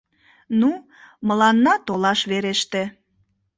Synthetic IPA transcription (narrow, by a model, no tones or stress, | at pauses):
nu | məlɑnːɑt̪olɑʃβeɾeʃt̪e